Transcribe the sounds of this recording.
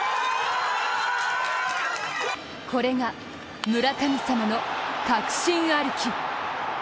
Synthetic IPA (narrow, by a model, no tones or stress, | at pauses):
kʰo̞ɾe̞ŋa | mɯ̟ɾakamʲisamano̞kakɯ̟̥ɕĩɰ̃aɾɯ̟kʲi